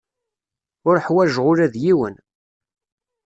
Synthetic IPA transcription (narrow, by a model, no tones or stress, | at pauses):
ʊɾħwæʒʁʊɾæðjiwən